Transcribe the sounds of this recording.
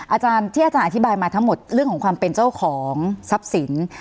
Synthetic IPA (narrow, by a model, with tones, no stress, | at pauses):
ʔaː˧t͡ɕaː˧nt̪ʰi˥˩aː˧˩t͡ɕaː˧nʔt̪ʰi˦˥baː˧jmaː˧t̪ʰa˦˥ŋmo˨˩t̪̚ɾɯ˥˩əŋkʰɔ˩˦ŋkwaː˧mpe˧nt͡ɕa˥˩wkʰɔː˩˦ŋsa˦˥p̚si˩˦n